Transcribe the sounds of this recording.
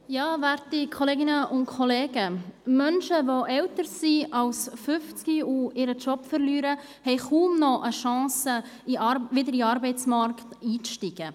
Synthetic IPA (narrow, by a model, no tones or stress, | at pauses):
jɑːvɛɾtikʰoleːɡɪnəʔʊntkʰɔleːɡ̥əmœnʃəvoʔɛwtəɾsiɑlsfʏft͡skiuɪɾət͡ʃɔpfəɾlyːɾə | hɛɪχuːmnɔʔəʃɑ̃ːsəivɪdəɾiɑɾbɛɪt͡smɑɾktiːʃtiɡ̥ə